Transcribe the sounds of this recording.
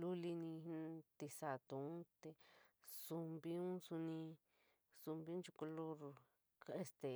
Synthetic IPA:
lu˦li˧nĩ˧t̪i˧sa˧˨t̪u˨ũ˦t̪e˧su˧mbi˦ũ˦su˧nĩ˧ | su˧mbi˧˦ũ˦nt͡ʃu˧ku˧lo˦ɾ | ka˧e˧st̪e˨

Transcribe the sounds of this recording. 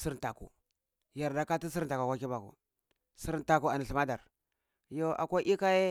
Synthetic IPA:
si˦ɾta˨kṵ˨ | ja˨ɾda˦ka˦ti˦s̬i˦ɾta˨ka˨kʷa˦ki˦ba˨kṵ˨ | si˦ɾnta˨ku˨a˨ni˨ɬi˨ma˦da˨ɾ | jo˦a̰˨kʷa˦ʔi˦ka˦je˦

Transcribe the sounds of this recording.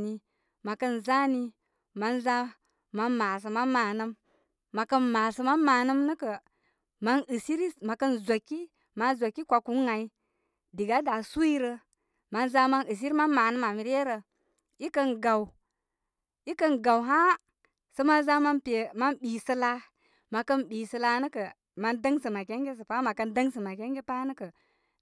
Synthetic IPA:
ni˨ | ma˨kə˦nza˦ni˨ | ma˨nza˦ | ma˨˧nma˨s̬ə˨ma˦nma˨nə˦mː | a˨kə˦nma˨sə˨ma˦nma˨nə˦mnə˦kə˨ | ma˦nɨ˨si˦ɾi˦ma˨kə˦nza˨kːi˦ | ma˨nzʷa˨kːi˦kʷa˨ku˨˦ŋa˨i˦ | di˨ɡa˦da˨su˦i˦ɾə˧ | ma˦nza˦ma˦nɨ˨s̬i˦ɾi˦ma˦nma˨nɨ˦ma˨mi˨ɾe˦ɾə˨ | i˦kə˦nɡa˨w | i˦kə˦nɡa˨wɦa˦ | sə˦ma˦za˦ma˦npe˨ma˦nɓi˨sə˦la˦ | ma˨kə˦nɓi˨sə˨la˧˦nə˦kə˨ | ma˦ndə˦ŋsə˨ma˨ke˦ŋɡʲe˦s̬ə˨pa˦ma˨kə˦ndə˦ŋsə˨ma˨ke˦ŋɡe˦pa˦nə˦kə˨

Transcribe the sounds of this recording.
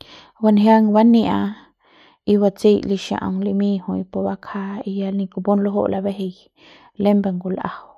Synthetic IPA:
ba˧nɦja˦ŋba˦nĩ˧a˧ | i˧βa˧t͡si˦jli˧ʃã̰˧˨ʔŋli˧mĩ˦hu˧jpo˧ba˦kʰa˦i˧ja˧lnĩ˧ku˧bo˦nlo˦ɦo̰˦ʔlʔa˧be˦ɦe˧j | le˦mbe˧ŋɡu˧˨lʔa̰˨w

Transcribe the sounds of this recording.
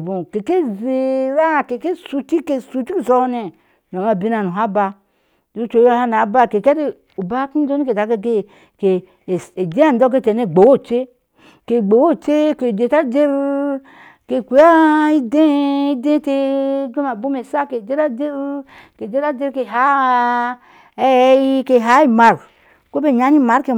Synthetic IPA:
bũ˨ke˨ke˦ze˨ɾa˦˨ke˨ke˦su˨ti˦ke˨su˨t͡ʃi˦u˦˨sɔ˦ne˨ | no˨ma˦˨bi˦na˨nu˨ɦa˦ba˧ | du˦t͡ʃo˨˦jo˦ha˦n˨a˨˦ba˦˨ke˨kɛ˦ɾi˦ | u˨ba˦ku˦d͡ʒo˦ni˦ke˨ta˨˦ke˦ke˦ | ke˨ | e˨d͡ʒe˦a˦˨n˨do˦k̬e˦te˨ne˦˨ɡ͡bo˨wo˦˨t͡ʃe˦ | ke˨ɡ͡bo˨wo˦t͡ʃe˦ke˨d͡ʒe˨ta˦d͡ʒe˦ɾ | ke˨kʷu˨˦a˦i˦de˦i˦dẽ˦te˦ɡo˦ma˨bu˦me˨sa˦ke˨d͡ʒe˦ɾa˦d͡ʒe˦ɾ | ke˨d͡ʒe˦ta˦d͡ʒe˦ɾke˨ɦa˨˦ | ɛ˦ji˦ke˨ɦa˨˦i˦ma˨ɾ | ko˦be˦˨ɲa˨˦ni˦˨ma˨˦ɾke˨

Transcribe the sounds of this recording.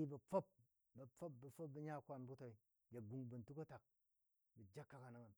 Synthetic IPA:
i˦bɐ˨fo˦p̚ | bɐ˨p͡fo˦p̚bɐ˨fo˦b̚bi˦ɲa˦˨kʷa˧nbu˦to˨i˨ | je˨ɡu˨ŋbu˨n̩˨tu˦kɐ˦ta˨k̚ | bu˨d͡ʒa˦kːa˦ka˨na˦ŋa˨n

